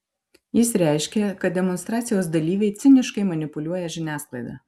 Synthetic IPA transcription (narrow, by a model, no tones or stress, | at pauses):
jɪsɾʲɛˑɪʃʲkʲɛkɐt̪̚d̪ʲɛmɔnst̪ɾɑːt̪sʲɪjoːsd̪ɐlʲiːʋʲɛɪt̪sʲɪnʲɪʃkɐɪmɐnʲɪpʊlʲuɔjɛʒʲɪnʲæːsklˠɐɪd̪ɑː